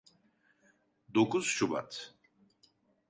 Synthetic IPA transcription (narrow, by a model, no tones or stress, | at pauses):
d̪okʰuzʃuba̰t̪ʰ